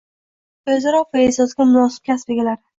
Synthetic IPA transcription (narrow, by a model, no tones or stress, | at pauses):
ɵzaɾɒqaesɒsɡʲamʊnɒsɪ̥p̚kʲʰasbɪɡʲɪlaɾɪ